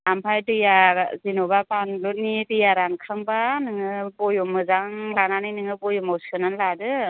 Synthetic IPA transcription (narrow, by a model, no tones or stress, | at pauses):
ampʰajtɯjazinobapanlonːitɯjaɾankʰɯŋbanɯŋɯbɔjɔmɯzaŋlananɯjnɯŋɯbɔjɔmɔwsʰɯnanladɯ